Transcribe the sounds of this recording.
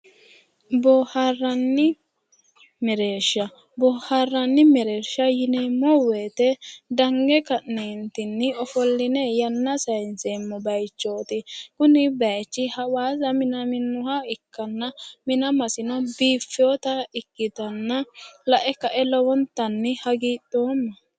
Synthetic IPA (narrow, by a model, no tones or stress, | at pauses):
bɔharːɐnːɪ | mɛɾe̞ːʃːɐ | bɔharːɐnːɪmɛɾe̞ːʃːɐjɪnemːɔweːt̪ɛd̪ɐŋɡɛkɐʔneːnt̪ɪnːɪɔfɔlːɪnɛjɐnːɐsɐjnzeːmːɔbɐjt͡ʃːoːt̪ɪkʊnɪbɐjt͡ʃːɪhɐwaːzɐmɪnɐmɪnːʊhɐɪkːɐnːɐmɪnɐmɐsɪnɔbiːfːɪɔt̪ɐɪkːɪt̪ɐnːɐlɐʔɛkɐʔɛlɔwɔnt̪ːɐnːɪhɐɡiːɗoːmːɐ